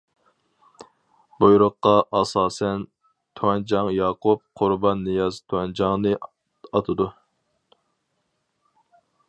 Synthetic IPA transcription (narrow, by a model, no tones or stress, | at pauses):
bojɾʊqːɑʔɑsɑːsɛn | t̪ʰuɛnd͡ʒɑŋjɑːqʰup̚qʰʊɾbɑnːɨjɑzt̪ʰuɑnd͡ʒɑŋnɨ | ɑt̪ʰɨd̪u